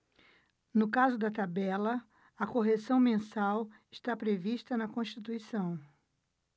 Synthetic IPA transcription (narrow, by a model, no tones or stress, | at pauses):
nʊkazʊd̪ɐt̪abɛlɐ | ɐkoɦesɐ̃w̃mẽsawɪʃt̪apɾeviʃt̪ɐnɐkõʃt͡ʃit̪uisɐ̃w̃